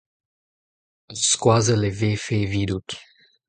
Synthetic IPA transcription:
skwazəleveːfeviːd̪ut

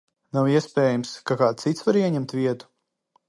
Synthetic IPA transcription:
nawiɛspɛːjamskakaːt̪it̪svaɾiɛɲɛmt̪vʲiɛt̪u̥

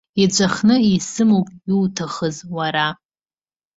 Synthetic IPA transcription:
id͡ʒʷʼaχnɨisɨmowkʼjiwtʰaχəzwaɾa

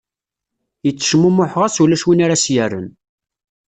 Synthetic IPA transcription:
jət͡sːə̥ʃmumʊħʁasulæʃwinaɾasjærːə̰n

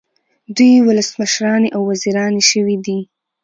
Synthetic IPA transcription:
d̪ujwʊləsməʃɾɑneʔawːaziɾɑneʃəwid̪i

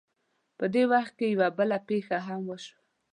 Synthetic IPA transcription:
pəd̪ewaxt̪̚kejawabəlapexaɦamwəʃwa

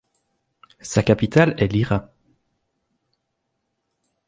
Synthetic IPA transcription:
sakapit̪alɛliʁa

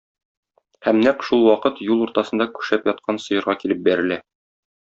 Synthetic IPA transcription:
hæmnæqʃulˠwɒqɤt̪julˠuɾt̪ɑsɤ̆nd̪ɑkʉ̥ʃæpjɒt̪̚qʰɑnsɤ̆jɤ̆ɾʁɑkilɘp̚bæɾɘ̆læ

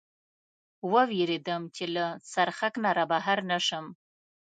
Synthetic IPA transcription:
wəweɾed̪əmt͡ʃelasaɾxaknaɾabaɦaɾnaʃəm

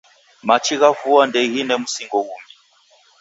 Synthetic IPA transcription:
mat͡ʃʰiɣavuandɛɣinɛmusiŋɡɔɣumi

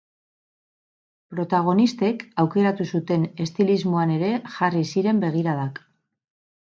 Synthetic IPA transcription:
pɾo̞t̪aɣ̞o̞nist̪e̞kawke̞ɾat̪usut̪e̞ne̞st̪ilizmo̞ane̞ɾe̞ʝarisiɾe̞mbe̞ɣ̞iɾaðak

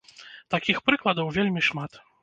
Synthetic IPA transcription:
t̪akʲixpɾɨklˠɐd̪ɐwvʲelʲmʲiʂmat̪

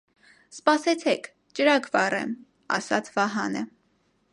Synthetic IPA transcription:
spɑsɛt͡sʰɛkʰ | t͡ʃəɾɑkʰvɑrɛ̰m | ɑ̰sɑt͡sʰvɑɦɑnə

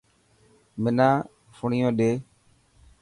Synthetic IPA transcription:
mɪnãː | fʊɳɪjõːɗeː

